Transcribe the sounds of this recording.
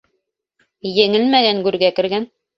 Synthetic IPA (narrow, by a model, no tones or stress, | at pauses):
jɘ̆ŋɘlmæɡæŋɡʉɾɡækɘ̆ɾɡæn